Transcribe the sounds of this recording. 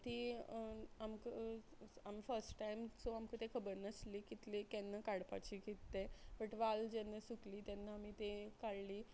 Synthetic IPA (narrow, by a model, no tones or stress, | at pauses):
t̪iː | amkə | amfəɾsʈʈajmt͡soamkət̪ekʰəbəɾnəsliːkit̪lekɛnːəkaɽpa̰t͡ɕiːkit̪ːebəʈʋald͡ʑɛnːəsukliːt̪jɛnːaamit̪ekaɽliː